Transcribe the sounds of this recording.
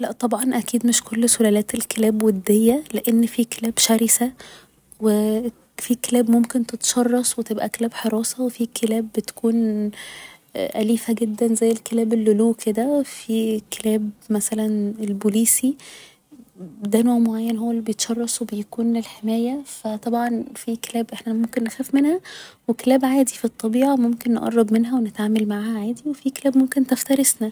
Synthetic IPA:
læʔt̪ˤɑbʕɑnʔækiːd̪meʃkolːsolælæːt̪elkelæːbwed̪ːejːæleʔenːfiːkelæːbʃæɾisæ | we | fiːkelæːbmomkent̪et̪ʃɑrˤːɑsˤwet̪ebʔækelæːbħeɾˤɑːsɑwefikʰelæːbːet̪kʰuːn | ʔæliːfæɡed̪ːænzæjːelkelæːbelːoluːkʰed̪æwefikelæːbmæsælænelbuliːsi | d̪ænoːʕmoʕajːænɦowːælːibejet̪ʃɑrˤːɑsˤwebejækuːnlelħemæːjæfæt̪ˤɑbʕɑnfike̥læːbʔeħnæmomkenːexæːfmenhæwekelæːbʕaːd̪ifit̪ˤːɑbiːʕɑmomkenːeʔɑ̰rˤːɑbmenɦæwenet̪ʕaːmælmaʕaːhæʕaːd̪iwefikelæːbmomkent̪æft̪æɾesnæ

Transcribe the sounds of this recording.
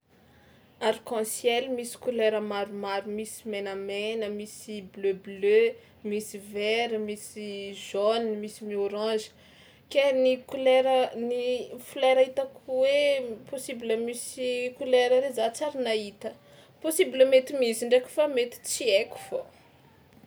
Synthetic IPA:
aɾkɑ̃sjɛlmisi̥kuleɾəmaɾumaɾumisi̥menamenəmisibløblø | misivɛɾmisiʒonmisimioɾɑ̃ʒi̥ | kenikuleɾənifuleɾait̪akweposibləmisikuleɾəɾezat͡saɾinait̪ə | posibləmet̪imiziɳɖ͡ʐeku̥famet̪i̥t͡sieku̥fo

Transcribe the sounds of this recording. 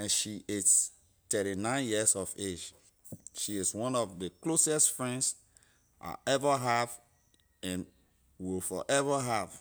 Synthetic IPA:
ɛ̃nʃie | tɛɾinãɪ̃njisɔved͡ʒ | ʃiɪswɔ̃nɔfðəklosɛstfɹɛ̃nds | ʔa̰ʔɛvəɦav | ɛ̃n | wilfɔ̰ʔɛvəɦav

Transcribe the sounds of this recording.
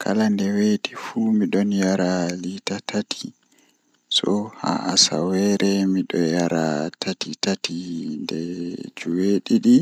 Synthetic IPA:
kʰa̰landɛweɗifumiɗɔnjaɾalitatʰatʰi̥ | sɔha̰ʔasa̰wɛɾɛmiɗɔjaɾa̰tʰatitatʰindɛd͡ʒuweɗiɗi

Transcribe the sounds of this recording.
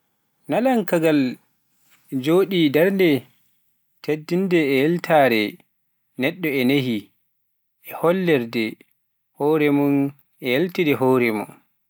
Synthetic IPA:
nalaŋkaɡal | d͡ʒoːɗidɛɾdɛ | tʰedːindɛːjɛltʰaːɾɛ | nɛɗːɔɛneɦi | ʔɛhɔlːɛɾdɛ | hɔːɾɛmɔn | ɛjeltidɛɦoːɾɛmɔ̰n

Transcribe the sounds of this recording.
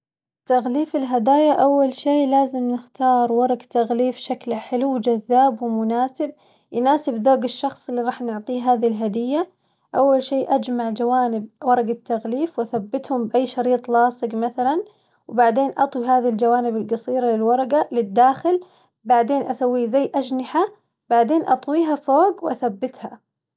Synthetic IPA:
t̪aɣliːfɪlɦad̪aːjaʔawːalʃiːlaːzɪmnɪxt̪ɑːɾˤwɑɾˤɑɡt̪aɣliːfʃaklħɪluwd͡ʒaðːaːbwɪmʊnaːsɪb̚ | jnaːsɪbðoːɡɪʃːɑxsˤɪlːiɾˤɑːħnʊʕt̪ˤiːɦaːðilɦad̪ɪjːa | ʔawːalʃiːʔad͡ʒmaʕd͡ʒawaːnɪb̚wɑɾˤɑɡat̪ːaɣliːfwʔaθabːɪt̪hʊmbʔajːʃɑɾiːt̪ˤlɑːsˤɨɡmaθalan | wbaʕd̪eːnʔɑt̪ˤwiɦaːðild͡ʒawaːnɪbɪlɡɑsˤiːɾalɪlwɑɾˤɑɡalɪd̪ːaːxɪl | baʕd̪eːnʔasawːiːzajːʔad͡ʒnɪħa | b̥aʕd̪eːnʔɑt̪ˤwiːɦafoːɡwʔa̰θabːɪt̪ha

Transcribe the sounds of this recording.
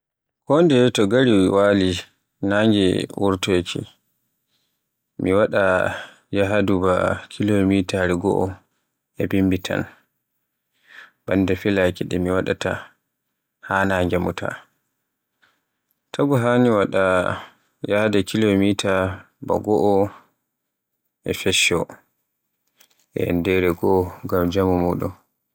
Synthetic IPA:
kɔndɛtɔɡaɾiwaːli | naŋɡɛ̰wuɾtojkʰḭ | miwaɗa | jaɦaduba̰kʰilomitaɾiɡɔ̰ʔɔ | ɛbimbitʰa̰n | bandɛfilakiɗɛmiwaɗa̰ta̰ | haːnaŋɡamṵtʰa̰ | tʰaɡɔɦaniwaɗa | jahadɛkʰilomitʰa | ba̰ɡɔʔɔ | ʔɛfɛʃɔ | ʔɛ̰ndɛɾɛɡɔɔɡamd͡ʒamɔmɔːɗɔ

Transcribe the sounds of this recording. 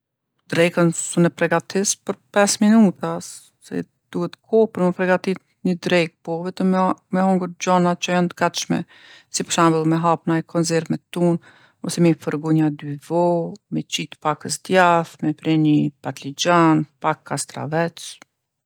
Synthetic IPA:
d̪ɾɛjkənsunɛpɾɛɡat̪ispəɾpɛsminut̪asː | ɛ̰ | d̪̥uhɛt̪ːəkʰɔpəɾmɛpɾɛɡat̪i | ɲəd̪ɾɛk̚pɔvɛt̪əmmɛɦɔŋɡuɾd͡ʑɔnat͡ʃəjant̪əɡat̪ʃmɛ̰ | sipə̥ʃambəlˠmɛɦapnajkʰɔnzɛɾvmɛt̪un | ɔsɛmifəɾɡuɲad̪yvɔmɛt͡ʃit̪pakəsd̪jaθmɛpɾɛnipat̪lid͡ʑanpakːast̪ɾa̰vɛt͡s

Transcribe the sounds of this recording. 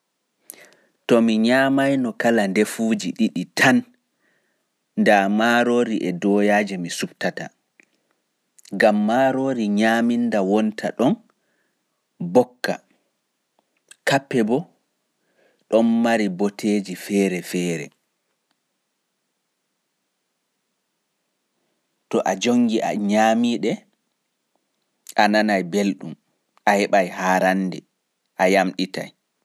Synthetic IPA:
tɔmiɲaːmajnɔkalandefuːd͡ʒiɗiɗitʰan | ndamaːɾoːɾiʔɛdɔːjaːd͡ʒɛmisubtata̰ | ɡamːaɾoːɾiɲaːmindawɔntʰa̰ɗɔn | bɔkːa̰ | kapːɛbɔ | ɗɔnmaɾibotʰeːd͡ʒifɛːɾɛfɛːɾɛ̰ | tɔʔad͡ʒoŋɡiʔa̰ɲaːmiɗɛ | ʔananajbelɗum | ahɛɓajhaːɾandɛ | ʔajamɗita̰j

